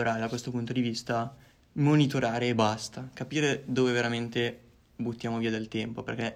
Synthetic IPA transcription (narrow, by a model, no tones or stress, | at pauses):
ɾad̪akwest̪opunt̪od̪ivist̪a | monit̪oɾaːɾeːbast̪akapiːɾed̪oːveveɾament̪e | but̪ːjaːmoviːad̪elt̪ɛmpoperk̟ɛ